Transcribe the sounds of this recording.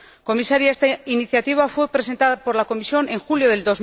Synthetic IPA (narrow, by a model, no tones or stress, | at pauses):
ko̞misaɾjaest̪ainiθjat̪iβ̞afwe̞pɾe̞se̞nt̪aðapo̞ɾlako̞misjo̞ne̞ŋxuljo̞ðe̞ld̪o̞z